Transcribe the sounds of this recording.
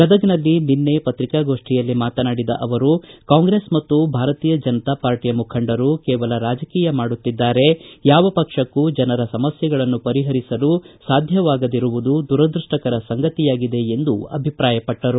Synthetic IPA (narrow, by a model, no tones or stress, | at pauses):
kɐd̪ɐɡnɐlːininːe̞pɐt̪ɾikaːɡo̞ːʂʈijɐlːimaːt̪ɐnaːɽid̪ɐ̰ʔɐʋɐɾukaːŋɡɾe̞ːsmɐt̪ːubʱaːɾɐt̪iːjɐd͡ʒɐnɐt̪aːpaːɾʈijɐmukʰɐɳɖɐɾukɛːʋɐlɐɾaːd͡ʒɐkiːjɐmaːɽut̪ːid̪ːaːɾe̞jaːʋɐpɐkʂɐkːud͡ʒɐnɐɾɐsɐmɐsjɐɡɐɭɐnːupɐɾiɦɐɾisɐlusaːd̪ʱjɐʋaːɡɐd̪iɾuʋud̪ud̪uɾɐd̪ɾuʂʈɐkɐɾɐsɐŋɡɐt̪ijaːɡid̪e̞end̪uɐ̰bʱipɾaːjɐpɐʈːɐɾu